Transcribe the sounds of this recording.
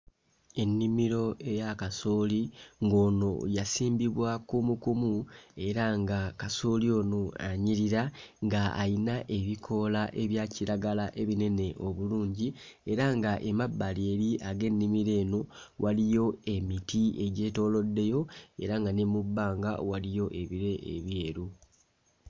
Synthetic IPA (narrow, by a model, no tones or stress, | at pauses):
e̞nːimiɾo̞e̞jakasoːliŋɡo̞ːno̞jasiːmbiβwakumukumue̞ɾaŋɡakasoːlio̞ːnoaɲiɾiɾaŋɡa̰ːinaʔe̞βikʰo̞laʔe̞βjaːciɾaɡalaʔe̞βine̞ne̞ʔo̞βuluːɲɟi | e̞ɾaŋɡaʔemabːaleːɾiʔaɡe̞nːimiɾe̞ːno̞wʔalijo̞e̞mitʰie̞ɟe̞ːto̞lo̞dːe̞jo̞e̞̰ɾaŋɡanemubːaːŋɡa̰walijo̞ʔe̞βiɾe̞ʔḛβje̞ːɾu